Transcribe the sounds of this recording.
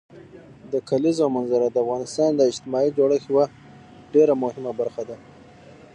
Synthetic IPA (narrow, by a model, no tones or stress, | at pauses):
d̪əkʰalizawmanzaɾad̪əafɣɑnɪst̪ɑnd̪əɪd͡ʒt̪ɪmɑid͡ʒoɽəxiwa | ɖeɾamʊhɪmabaɾxad̪a